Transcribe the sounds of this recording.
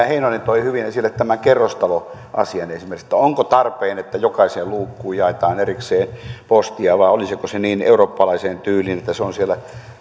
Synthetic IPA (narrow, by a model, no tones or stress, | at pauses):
æheinonent̪oihyʋinesilːet̪t̪æmæŋkerːost̪ɑlo | ʔɑ̰siɑnesimerksĕ̥t̪ːæoŋkot̪ɑrpeːnet̪ːæjokɑiseːlluːkːuːjjɑet̪ɑːnerikseːnpost̪iɑʋɑiolisikoseniːnḛuroːpːɑlɑiseːnt̪yːlinet̪ːæseonsielːæ